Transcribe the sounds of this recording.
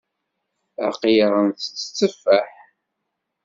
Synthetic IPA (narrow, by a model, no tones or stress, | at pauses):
æ̰qjɾˤənθə̥t͡sːə̥t͡sːəfːæħ